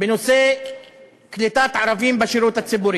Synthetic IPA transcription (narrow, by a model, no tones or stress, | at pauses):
benose | klit̪at̪ʕaɾavimbaʃiɾut̪at͡sːibuɾi